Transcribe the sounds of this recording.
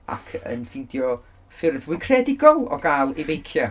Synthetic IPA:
a̰kʰə̰nfɪdjɔ | fɪrðʊnkʰrɛdɪɡɔlˠɔ̰ɡalˠivejkʰja

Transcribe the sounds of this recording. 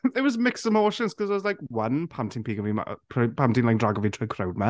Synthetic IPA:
ɛwɔzmɪksəmoːʃənskʰɔzzlajkwənpʰamtʰɪnpiːɡəvima̰pʰpʰamtinlaɪk̚draɡɔvitʰɔkʰrawd̚ma

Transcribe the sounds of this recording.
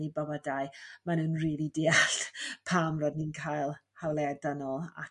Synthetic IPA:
ibawɛdaɨmanuːnriːlidɪaɬpʰaːmrodninkʰaːjlˠhalˠɛdanɔlˠa̰

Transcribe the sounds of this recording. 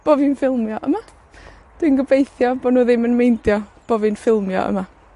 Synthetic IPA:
b̥ovinfɪlˠmjɔʔəma | d̥winɡəbejθjɔbodnuːðɪmənmejndjɔb̥ovinfɪlˠmjɔ̰ʔə̰ma

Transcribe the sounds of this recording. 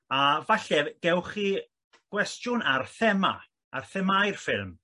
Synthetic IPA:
avaɬɛɡ̥ɛwχi | ɡ̥wɛstjʊnarθɛma̰ | arθɛmajrfɪlˠm

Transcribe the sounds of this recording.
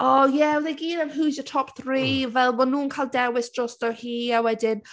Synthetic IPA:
ɔjɛwðeɡiːnənɦuzjətʰɔpθɹiːvɛlˠmɔnuːnkʰajlˠdɛwɪsd̥rɔstdɔhiːawɛdɪn

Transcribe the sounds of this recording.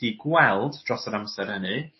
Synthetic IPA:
d̥iɡwɛlˠdrɔsəɾamsɛɾənɨ

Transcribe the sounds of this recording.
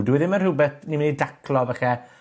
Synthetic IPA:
dwɛðɪmərhʊbɛθnimɪnidakʰlˠɔvaχɛ

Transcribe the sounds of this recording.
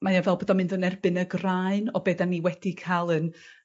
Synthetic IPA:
majavɛlˠboːdɔmɪnðənɛrbɨnəɡraɨnɔbeːdanːiwɛd̥ikʰalˠən

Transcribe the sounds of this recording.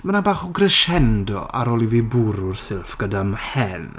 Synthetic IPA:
manabaːχɔɡrəʃɛndɔ̰ʔa̰ɾɔːlˠiviːbuɾʊrsɪlˠfɡ̥ədamhɛn

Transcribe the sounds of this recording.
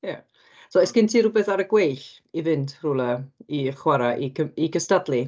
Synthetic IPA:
ja | sɔɛskɪntʰiːɾʊbɛθaɾəɡwejɬ | ivɪndruːlˠəiχwaɾaʔikʰəiɡəstadlˠi

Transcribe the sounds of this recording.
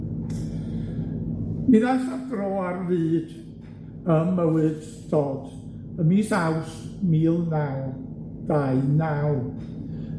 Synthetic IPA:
miðasadrɔːarːɨːd̥ | əmːəwɨd̥ | dɔːd̥ | əmisawsmiːlˠnaw | d̥aɨnaw

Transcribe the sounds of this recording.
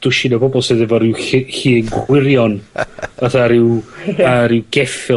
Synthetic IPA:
d̥ʊʃinabɔbɔlˠseðɛvɔɾɪwɪhiːɡɪɾjɔnaθaɾɪwaɾɪwɡɛfɪ

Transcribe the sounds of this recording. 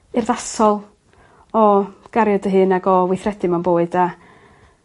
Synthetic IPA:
ɨrðasɔlˠ | ɔɡ̥aɾjɔdəɦɨːnaɡɔvwɪθrɛdɨmanboːɨda

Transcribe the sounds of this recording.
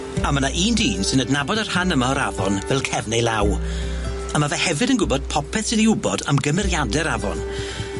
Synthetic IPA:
amənaʔiːndiːnsɪnədnabɔdar̥hanəmaɔɾavɔ̰nvɛlˠkʰɛvnɛjlaw | amavɛhɛvɨdənɡʊbɔd̥̚pʰɔpʰɛθsɪniʊbɔdamɡəmɛɾjadɛɾavɔ̰n

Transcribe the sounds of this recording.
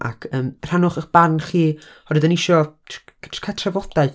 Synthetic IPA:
ʔa̰kʰəːmr̥hanʊχəχb̥anχiː | ɔdɨðənɪʃɔ | tʰkʰatʰravɔdaɨ

